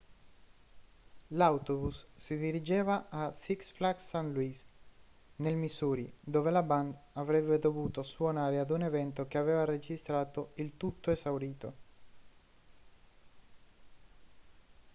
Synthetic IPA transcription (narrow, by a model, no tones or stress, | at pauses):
lawt̪obusːid̪iɾid͡ʒeːvaːsiksflaksːanluis | nelmisuːɾid̪oːvelaband̪avɾɛbːed̪ovuːt̪oswonaːɾead̪unevɛnt̪okeaveːvared͡ʒist̪ɾaːt̪oilt̪ut̪ːoezawɾiːt̪o